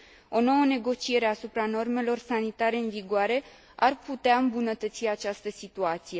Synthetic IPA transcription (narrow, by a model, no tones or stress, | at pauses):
o̞no̞wəne̞ɡo̞t͡ʃie̞ɾe̞asupɾano̞rme̞lo̞rsanit̪aɾe̞ɨnviɡoaɾe̞ | arput̪eaɨmbunət̪ət̪siat͡ʃast̪əsit̪uat̪sije̞